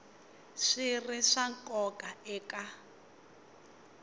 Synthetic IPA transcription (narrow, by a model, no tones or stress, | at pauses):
ʂiriʂaŋkʼɔkaɛːkʼa